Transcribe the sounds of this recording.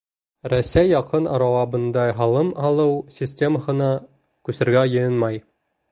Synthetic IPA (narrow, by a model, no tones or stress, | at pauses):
ɾæsæjːɑqɤnɑ̰ɾɑwɑbɤ̆nd̪ɑɦɑlˠɤmɑlˠɤwsʲisʲtʲe̞məhɤ̆nɑ | kʉsɘ̆ɾɡæjɤ̆jɤnmɑj